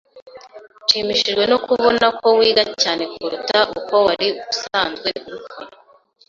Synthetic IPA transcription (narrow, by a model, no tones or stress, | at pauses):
ʃiːmiʃiʒɡwe̞nokuβo̞nako̞wiːɡacaːne̞kuɾutaʔuko̞waɾiβusaːnzɡwe̞uɾukʰaɾa